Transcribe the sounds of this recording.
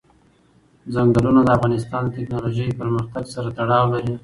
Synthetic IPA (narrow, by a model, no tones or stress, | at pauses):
zaŋɡalunad̪əafɣɑnɪst̪ɑnd̪ət̪ɪknɑloʒəjpəɾməxt̪aɡsaɾat̪aɽɑwlaɾi